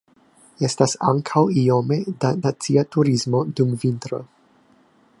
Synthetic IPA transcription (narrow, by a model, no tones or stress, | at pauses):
e̞stasa̰ŋkʰawio̞me̞danat͡siatuɾizmo̞dumvintɾo̞̰